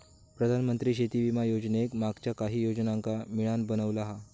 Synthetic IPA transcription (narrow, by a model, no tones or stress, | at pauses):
pɾəd̪ʱanmənt̪ɾiːɕet̪iʋimajod͡ʑnekmaɡt͡ɕjakaɦiːjod͡znaŋkamiɭanbənəʋlaɦa